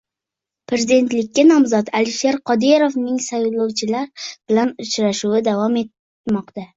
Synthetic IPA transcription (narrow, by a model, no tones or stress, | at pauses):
pʰɾe̞zid̪e̞nt̪lɪkʲːanɒmzɒt̪ʰalɪʃeɾqʰɒd̪eɾofnɪŋsajlˠowt͡ʃʰɪlaɾbɪlanʊt͡ʃɾaʃuwɪd̪avɒme̞t̪ | mɒqt̪a